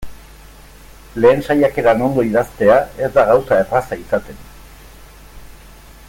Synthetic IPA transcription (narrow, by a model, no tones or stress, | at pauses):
le̞ːnsajake̞ɾano̞nd̪o̞iðast̪e̞ae̞zd̪aɣawsae̞rasaisat̪e̞n